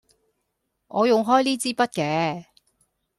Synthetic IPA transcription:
ʔɔː˨˧jʊ˨ŋɦɔː˥jliː˥t͡siː˥pɐ˥t̚kɛː˨˧

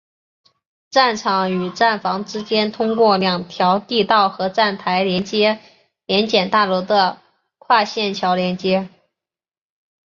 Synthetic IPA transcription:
ʈ͡ʂa˥˩nʈ͡ʂʰɑ˧˥ŋy˨˩ʈ͡ʂa˥˩nfɑ˧˥ŋʈ͡ʂɻ̩˥t͡ɕjɛ˥nt̪ʰʊ˥ŋkwɔ˥˩ljɑ˨˩ŋt̪ʰjɑ˧˥ʊt̪i˥˧t̪ɑ˥˩ʊxɤ˧˥ʈ͡ʂa˥˩nt̪ʰa˧˥ɪljɛ˧˥nt͡ɕjɛ˥ | ljɛ˧˥nt͡ɕjɛ˨˩nt̪a˥˩lwɔ˧˥d̪ə˧ | kʰwa˥˧ɕjɛ˥˩nt͡ɕʰjɑ˧˥ʊljɛ˧˥nt͡ɕjɛ˥

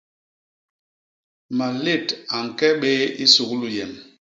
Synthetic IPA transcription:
ma˨le˦˨ta˨ŋ̩˨kɛ˦ɓe˦i˦so˨klu˨jɛ˨m

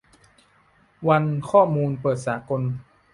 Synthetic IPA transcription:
wa˧nkʰɔː˥˩muː˧npɤː˨˩t̪̚saː˩˦ko˧n

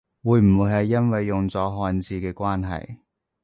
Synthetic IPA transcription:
wuː˨˧jm̩˨˩wuː˨˧jɦɐ˨jːɐ˥nwɐ˨jːʊ˨ŋt͡sɔː˨˥ɦɔː˧nt͡siː˧kɛː˧kwaː˥nɦɐ̰˨j

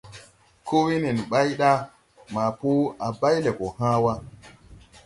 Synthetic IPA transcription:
kʰo˦wi˦ne˨n˨ɓa˦jɗa˦ | ma˨po˦a˨ba˦jle˨ko˨hã˦wa˦

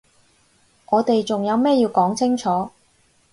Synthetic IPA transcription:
ŋɔː˨˧t̪e˨jt͡sʊ˨ŋjɐ˨˧wmɛː˥˩jiː˧wkɔː˨˥ŋt͡sʰɪ˥ŋt͡sʰɔː˨˥

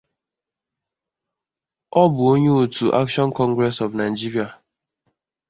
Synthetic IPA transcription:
ɔ˦bʊ˨o˦ɲe˦u˨tu˨ʔa̰˦kʃɔ˦nkɔ̃˦ŋɡɾɛ˦sɔ˨vna˨jd͡ʒi˦ɾi˦a˨

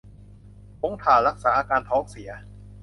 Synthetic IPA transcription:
kʰo˦˥ŋt̪ʰaː˨˩ɾa˦˥k̚saː˩˦ʔaː˧kaː˧nt̪ʰɔː˦˥ŋsi˩˦ɐ

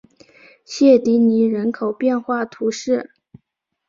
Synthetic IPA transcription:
ɕjɛ˥˩t̪i˧˥ni˧˥ɻə˧˥nkʰo˨˩ʊpjɛ˥˧nxwa˥˩t̪ʰu˧˥ʂɻ̩˥˩

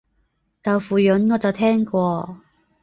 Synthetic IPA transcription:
t̪ɐ˨˩wfuː˨˩jɵ˨˥nŋɔː˨˧t͡sɐ˨wt̪ʰɛː˥ŋkʷɔː˧

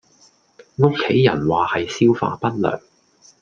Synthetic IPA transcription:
ŋo˥kʰːe˨˥jːɐ̰˨˩nwaː˨hɐ˨jsiː˥wfa̰ː˧pɐ˥t̚lœ̰ː˨˩ŋ

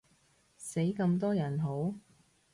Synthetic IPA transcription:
se˨˥jkɐ˧mt̪ɔː˥jɐ˨˩nɦo˨˥w

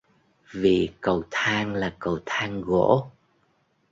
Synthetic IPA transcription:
vi˨˩kə˨˩wt̪ʰaː˧ŋlaː˨˩kə˨˩wt̪ʰaː˧ŋɣo̰˧˥

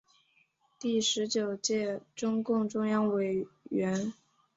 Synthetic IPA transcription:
t̪i˥˩ʂɻ̩˧˥t͡ɕjo˨˩ʊt͡ɕjɛ˥˩ʈ͡ʂʊ˥ŋkʊ˥˩ŋʈ͡ʂʊ˥ŋjɑ˥ŋwe˨˩ɪɥɛ˧˥n

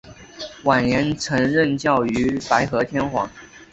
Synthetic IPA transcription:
wa˨˩nnjɛ˧˥nt͡sʰɤ˧˥ŋɻə˥˧nt͡ɕjɑ˥˩ʊy˧˥pa˧˥ɪxɤ˧˥t̪ʰjɛ˥nxwɑ̰˧˥˦ŋ

